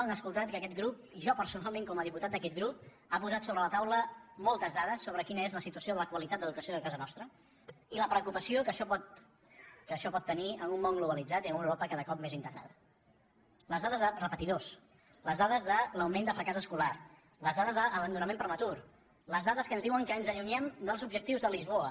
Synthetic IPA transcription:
ənəskulˠt̪at̪̚kəkɛt̪ɡɾup̚ʒɔpəɾsunalˠmẽŋkɔməðiput̪at̪d̪əkɛt̪̚ɡɾup | apuzat̪soβɾələt̪awləmɔlˠt̪əzðaðəsːoβ̞ɾəkinəezləsit̪uəsioðələkwəlit̪at̪̚d̪əðukəsioðəkazənɔst̪ɾə | iləpɾəkupəsiokəʃɔpɔt̪ | kəʃɔpɔt̪ːəniənumːɔŋɡluβəlid͡zat̪iənuwɾopəkaðəkɔp̚mezint̪əɣɾa̰ðə | ləzðaðəzðərəpət̪iðos | ləzðaðəzðələwmend̪əfɾəkazəskular | ləzðaðəzðəʔːβənd̪unəmẽmpɾəmət̪uɾ | ləzðaðəskənzðiwəŋkənzəʎuɲɛmd̪əlˠzubʒək̚t̪iwzðəlizβ̞oə

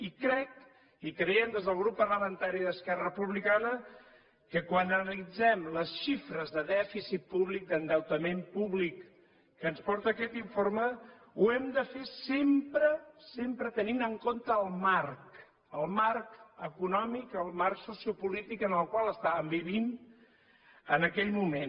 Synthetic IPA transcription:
ikɾɛk | ikɾəɛmd̪ezðəlˠɣ̞ɾupːərləmənt̪aɾiðəskɛrərəpuβlikanə | kəkwanənəlid͡zɛmləsʃifɾəzðəðɛfisit̪̚puβlik̚d̪ənd̪əwt̪əmempuβlikː | ənspɔɾt̪əːkɛt̪iɱfoɾmə | uɛmd̪əfesempɾəsempɾət̪əninəŋkont̪əːlˠmark | əlˠmarkəkunɔmikəlˠmarksusiupulit̪ikənəlˠkwalˠəst̪aβəmbiβ̞in | ənəkɛʎmumen

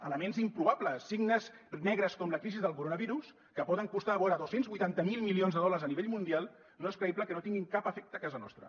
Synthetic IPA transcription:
ələmenzimpɾuβapləsːiɡnəznɛɣɾəskɔmləkɾizizðəlˠkuɾonəβiɾus | kəpɔðəŋkust̪aːβɔɾəðosenzβujt̪ant̪əmilˠmilionzðəðɔləɾzəniβeʎmund̪ialˠ | noeskɾəibləkənot̪iŋɡiŋkapəfɛk̚t̪əkazənɔ̰st̪ɾə̰

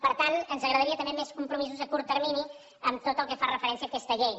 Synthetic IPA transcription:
pəɾt̪anənzəɣɾəðəɾiət̪əmbemeskumpɾumizuzəkuɾt̪ərmini | əmt̪ot̪əlˠkəfarəfəɾɛnsiəːkɛst̪əʎej

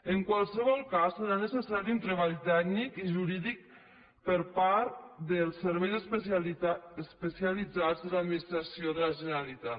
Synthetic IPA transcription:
əŋkwalˠsəβɔlˠkasːəɾanəsəsaɾiunt̪ɾəβ̞alt̪ɛɡnikiʒuɾiðik̚ | pəɾpaɾt̪d̪əlˠsːəɾβɛjzəs | əspəsialid͡zad͡zðəlad̪minist̪ɾasioðəlaʒənəɾalit̪a

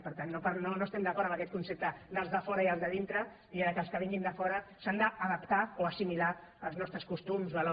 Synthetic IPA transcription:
pəɾt̪anːopanonoest̪ɛmd̪əkɔɾəməkɛt̪̚kunsep̚t̪əd̪əlˠzðəfɔɾəiəlˠzðəðint̪ɾə | iaəkəlˠskəβ̞iŋɡind̪əfɔɾəsand̪əːðəpt̪aoəsimilaəlˠznɔst̪ɾəskust̪umzβəlo

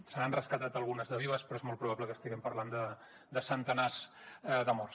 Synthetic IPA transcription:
səɾanrəskət̪at̪əlˠɣunəzðəβiβəspɾɔezmɔlˠt̪pɾuβabləkəst̪iɣɛmpəɾland̪ə | d̪əsənt̪ənazdəmɔr

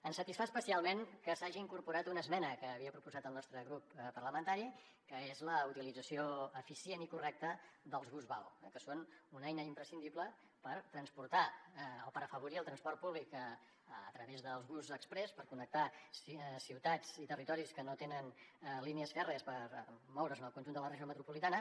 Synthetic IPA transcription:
ənsət̪isfaspəsialˠmenkəsaʒiiŋkuɾpuɾat̪unəzmɛnəkəːβiəpɾupuzat̪əlˠnɔst̪ɾəɣɾuppərləmənt̪aɾi | kəezləut̪ilid͡zəsioəfisenikurɛk̚t̪əðəlˠzɣuzβawɛkəsonunɛjnəimpɾəsind̪iplə | pəɾt̪ɾənspuɾt̪aopəɾəfəβuɾiəlˠt̪ɾənspɔrt̪̚puβlikəː | t̪ɾəβezðəlˠzɣuzəkspɾɛspəɾkunək̚t̪assiwt̪ad͡zit̪ərit̪ɔɾiskənot̪enənliniəzfɛrespəɾmɔwɾəzənəlˠkunʲʒund̪ələrəʒiomət̪ɾupulit̪anə

